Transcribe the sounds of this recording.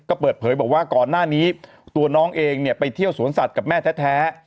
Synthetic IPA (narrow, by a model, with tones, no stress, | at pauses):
kɔː˥˩pɤː˨˩t̪̚pʰɤː˩˦jbɔː˨˩k̚waː˥˩kɔː˨˩nːaː˥˩niː˦˥ | t̪u˧ɐnɔː˦˥ŋʔeː˧ŋni˥˩pa˧jt̪ʰi˥˩əwsu˨˩˦ənsa˨˩t̪̚ka˨˩p̚mɛː˥˩t̪ʰɛː˦˥t̪ʰɛː˦˥